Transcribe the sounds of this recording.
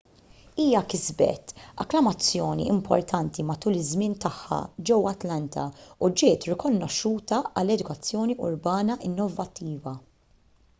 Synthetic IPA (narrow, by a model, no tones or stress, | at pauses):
iːjɐkɪzbɛ̰t̪ɐ̰klɐmɐt͡sːjɔːnḭʔɪmpʰɔ̰ɾt̪ʰɐnt̪imɐt̪uːlɪzmɪnt̪ɐħːɐ̰d͡ʒɛwɐt̪lɐnt̪ʰɐ̰ud͡ʒɪːt̪ɾɪkɔnːɔʃːuːt̪ɐɐlːɛd̪ʊkɐt͡sːjɔːniʊ̰ɾbɐːnɐʔɪnːɔvɐt̪ːiːvɐ